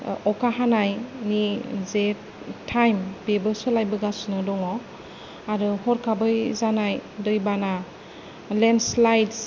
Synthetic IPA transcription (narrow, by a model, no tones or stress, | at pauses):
ɔkaɦanajnize | tʰːajmpebɯsɯlajbɯɡasnɯdɔŋɔ | aɾɯhɔɾkʰabɯjzanajdɯjbana | lenslajds